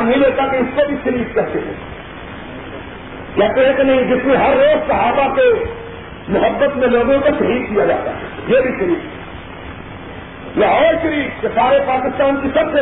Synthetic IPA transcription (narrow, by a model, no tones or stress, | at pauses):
nɦĩleːt̪akeɪskobʱiʃɐɾiːt̪kɐɦt̪eɦɛ̰̃ | jaːkɐɦẽkenɐɦĩd͡ʒɪsnẽɦɐɾːoːd͡ʒsɐɦaːfake | mʊɦəbːət̪mẽloːɡõkoʃɐɦiːd̪kijad͡ʒa̰ːt̪a̰ɦɛ̰jebʱiʃɐɾiːt̪ɦɛ | jeɔːɾʃɐɾiːt̪kesaːɾepaːkɪst̪aːnkisɐbse